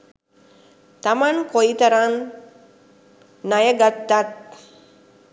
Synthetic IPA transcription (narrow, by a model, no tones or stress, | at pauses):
t̪amankoit̪ɐɾan | ajəɡat̪ːat̪̚